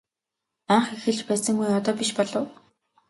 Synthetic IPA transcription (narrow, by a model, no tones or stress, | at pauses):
aɴχixɘ̆ɮt͡ɕpæːsə̆ŋɡujɔt̪ɔːpiʃpɔɮɞ̆w